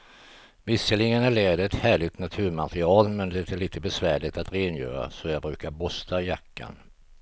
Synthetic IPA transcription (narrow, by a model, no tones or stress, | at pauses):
vɪsːəlɪŋːənaɭeːd̪əɛt̪hæːɭɪt̪nat̪ʰʉ̟ːɾmat̪ɾɪɑːlmɛnd̪ɛt̪ʰɛliːt̪ʰəbɛsvæːɭɪt̪at̪ɾeːnjœ̰ːɾa̰sɔjɑːɡbɾʉ̟ːkaɾbɔst̪ʰajakːa̰n